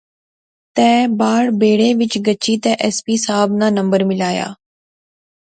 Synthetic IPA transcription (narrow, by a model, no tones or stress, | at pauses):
t̪ɛ̃ːbaːɽbeːɽeːʋɪt͡ʃɡət͡ʃiːt̪ɛ̃ːʔɛspiːsaːbnãːnəmbəɾmɪlaːja̰ː